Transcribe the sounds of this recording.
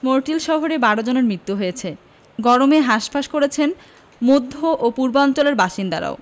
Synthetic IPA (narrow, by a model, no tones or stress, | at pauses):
moɾʈilʃɔɦoɾebaɽod͡ʑoneɾmɾit̪ːuɦojet͡ɕʰe | ɡɔɾomeɦaʃpaʃkoɾet͡ɕʰen | mod̪ʱːoʔopuɾbaɔnt͡ɕoleɾbaʃind̪a̰ɾa̰o